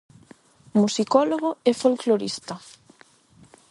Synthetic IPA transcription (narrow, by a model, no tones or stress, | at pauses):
musikɔloɣoɛfolkloɾist̪ɐ